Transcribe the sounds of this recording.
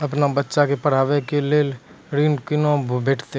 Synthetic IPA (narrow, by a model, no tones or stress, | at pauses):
ɐpnabɐtːʃakepɐɽ̤aːʋekeleːl | ɾiːnkɪnõbʱbeːʈʰt̪e